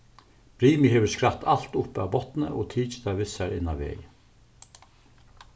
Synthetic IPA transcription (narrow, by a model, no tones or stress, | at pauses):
b̥ɾiːmiɦeːʋəskɾat̪ʰal̥t̪ʊpa̰ʋbɔt̪nə̰ʔo̰ːt̪ʰiːt͡ʃə̥d̪aʋɪsæɾɪnːaʋḛːj